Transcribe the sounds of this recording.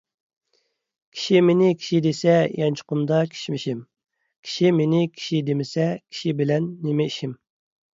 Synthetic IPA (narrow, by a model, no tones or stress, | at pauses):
kʲʰi̥ʃimenɪkʲʰi̥ʃid̪esɛjɛnt͡ʃʰʊ̥qʊmd̪ɑkʲʰe̥ʃmɪʃim | kʲʰi̥ʃimenɪkʲʰi̥ʃid̪emɪsɛkʲʰi̥ʃibɪlɛnːɪmɪiʃim